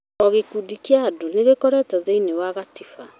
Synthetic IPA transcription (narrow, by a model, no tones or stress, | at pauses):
ɔɣekudikiaːdoneɣekɔɾɛtaðeinewaɣatifa